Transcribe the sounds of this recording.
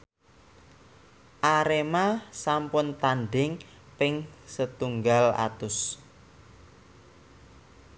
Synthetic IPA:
ʔaɾemasampʊnt̪anɖɪŋ | pɪŋsət̪uŋɡala̰t̪ʊs

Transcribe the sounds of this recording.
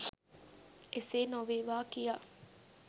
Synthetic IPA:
eseːnoʋeːʋaːkija

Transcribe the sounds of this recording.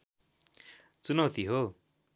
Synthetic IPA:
t͡sunʌwt̪iɦo

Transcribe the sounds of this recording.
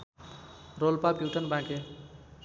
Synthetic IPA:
ɾolpapjuʈənbãke

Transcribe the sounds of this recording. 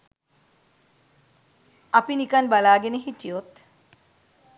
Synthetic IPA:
apinikanbalaːɡeneɦit̪ijot̪

